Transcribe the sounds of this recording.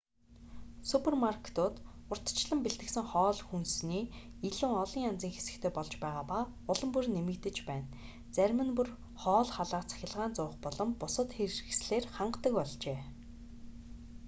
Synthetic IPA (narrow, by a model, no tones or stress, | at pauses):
supʰermarkʰe̥t̪ʊːt̪ʊr̥t̪̆ʰt͡ɕɮə̆mpeɮt̪ɘ̆ksɘ̆ŋχɔːɮxunsniːiɮuːŋɔɮiːŋant͡siːŋxe̥sɘ̆kt̪ʰeːpɔɮt͡ɕpæːʁaːpa | ʊɮɞ̆mpurnemɘ̆kt̪ɘ̆t͡ɕpæːn | t͡sæɾʲmɘ̆npur | χɔːɮχaɮaːqt͡sʰḁxʲɪ̆ɮʁaːnt͡sʊːχpɔɮɞ̆mpʊsə̆t̪xeɾɘxsɮeːrχaɴɢt̪ə̆kpɔɮt͡ɕeː